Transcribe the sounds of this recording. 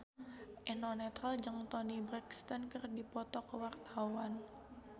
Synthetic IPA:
ʔɛnɔnɛt̪ɾald͡ʒəŋt̪ɔnibɾɛkst̪ankərdipɔt̪ɔkəwart̪awan

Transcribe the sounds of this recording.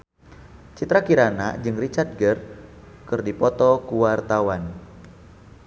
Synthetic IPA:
t͡ʃit̪ɾakiɾanad͡ʒɨŋrit͡ʃart̪̚ɡər | kɨrdipɔt̪ɔkuwart̪awan

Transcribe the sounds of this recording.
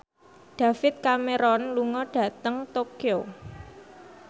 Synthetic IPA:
ɖ̥ä̤fɪt̪̚kameɾɔnluŋɔɖ̥ä̤t̪əŋt̪okio

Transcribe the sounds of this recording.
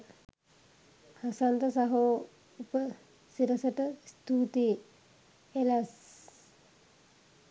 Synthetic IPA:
hasant̪əsaɦo | upə | siɾəsəʈəst̪uːt̪e | elas

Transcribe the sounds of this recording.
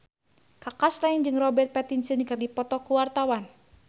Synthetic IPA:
kakaslaind͡ʒɨŋrɔbɛrt̪̚pɛt̪insɨnkɨrdipɔt̪ɔkuwart̪awan

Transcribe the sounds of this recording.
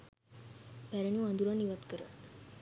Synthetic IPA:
pæɾəɳuãnd̪uɾaniʋat̪kəɾa

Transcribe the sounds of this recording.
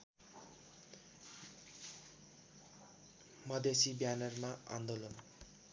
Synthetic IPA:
mʌd̪esibjanʌrmaa̰nd̪olʌn

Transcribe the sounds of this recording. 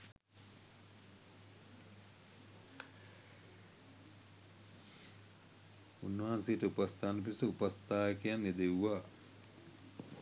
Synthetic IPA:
unːɐɦansejəʈəupast̪ʰaːnːɐp̬isəupast̪aːkejaned̪ewːaː

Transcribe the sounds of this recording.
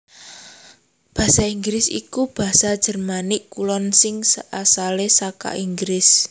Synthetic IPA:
b̥a̤saiŋɡɾɪsḭkub̥ä̤sad̥ʒ̥ə̤rmanɪʔkulɔnsɪŋsəʔasalesaka̰ʔiŋɡɾɪs

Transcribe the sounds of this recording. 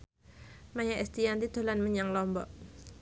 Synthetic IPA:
majaʔɛst̪iant̪id̪̥o̤lanməɲaŋlɔmbɔ̰ʔ

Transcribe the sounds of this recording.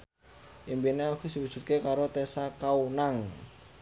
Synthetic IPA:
ʔimbineakusiwud̥ʒ̥ṳt̪̚kekaɾot̪esakaunaŋ

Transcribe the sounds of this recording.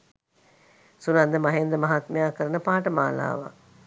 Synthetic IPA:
sunand̪əmaɦend̪ɾəmaɦat̪mejaːkəɾənəpaːʈəmaːla̰ːʋa̰

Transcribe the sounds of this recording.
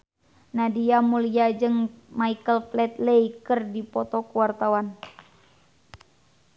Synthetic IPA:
nadiamuliad͡ʒɨŋmaikəlflɛt̪̚lejkərdipɔt̪ɔkuwart̪awan

